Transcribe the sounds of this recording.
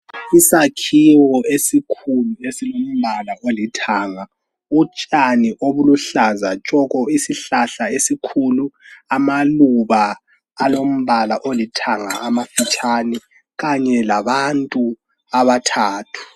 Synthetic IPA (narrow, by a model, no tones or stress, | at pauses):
isakʰiwɔesikʰuluesilom̩βalaʔolitʰaːŋa | ut͡ʃʼaniʔoβuluɬazat͡ʃʼɔɣɔisiɬaɬaesikʰuluamaluβa | alom̩βalaʔolitʰaŋaamafit͡ʃʼani | ɣaɲɛlaβantʼu | aβatʰaːtʰu̥